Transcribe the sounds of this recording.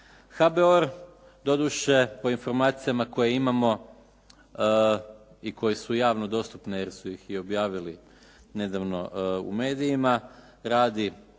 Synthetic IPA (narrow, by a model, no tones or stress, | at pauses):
xabeoɾ | d̪o̞d̪uʃe̞po̞info̞ɾmaːt̪sijamako̞jeimamo̞ | iko̞jesujaːʋno̞d̪o̞st̪upnejeɾsuixio̞bjaːʋili | ne̞d̪aʋno̞ṵme̞ːd̪ijima | ɾaːd̪i